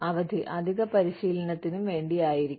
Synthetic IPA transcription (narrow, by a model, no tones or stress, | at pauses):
ɐʋɐd̪ʱiʔɐd̪ʱiɣɐpɐɾiɕiːlɐɳɐt̪ːinumʋe̞ːɳɖijaːjiɾik